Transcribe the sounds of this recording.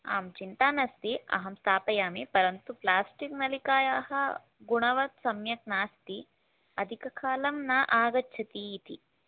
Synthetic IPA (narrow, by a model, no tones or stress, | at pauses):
a̰ːmt͡ʃint̪aːnɐst̪iɐ̰ɦɐmst̪aːpɐjaːmipɐɾɐnt̪uplaːsʈiknɐlikaːjaːhɐ | ɡuɳɐʋɐt̪sɐmjɐk̚naːst̪i | ɐd̪ʱikɐkʰaːlɐmnaʔaːɡɐtːt͡ʃʰɐt̪iːt̪i